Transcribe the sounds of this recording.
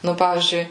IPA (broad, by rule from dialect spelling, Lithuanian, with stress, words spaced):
nʊ ˈpɑːʋʲiːzʲd͡ʒʲʊɪ